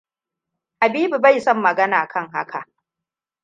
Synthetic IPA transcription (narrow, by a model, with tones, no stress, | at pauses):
ʔa˨biː˦bu˨ba˦˨jsɔ˦˨mːɐ˨ɡɐ˦naː˨kʰɐ˦ŋɦa̰˦kʰa˨ʔ